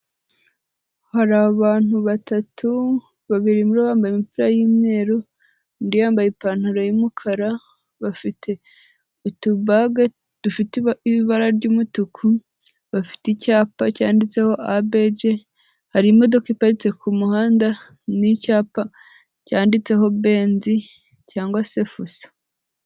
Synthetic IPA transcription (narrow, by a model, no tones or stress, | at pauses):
haɾaaβaːn̥huβatʰatʰu | βaβiɾimuɾoβaːmbajemipiɾajiːmɲe̞ːɾo | ndijaːmbajepaːn̥haɾajimukʰaɾa | βafitʰe̞ | tuβaɡa | d̥ufitiiβaɾaɾɟuːmutukʰu | βafi̥ticaːpacaːndit͡se̞ho̞ʔabe̞d͡ʒe̞ | haɾimo̞do̞kaipaɾit͡se̞kʰumuhaːnda | nicaːpa | caːndit͡se̞ɦo̞βe̞ːnzi | caːŋɡwase̞fusḁ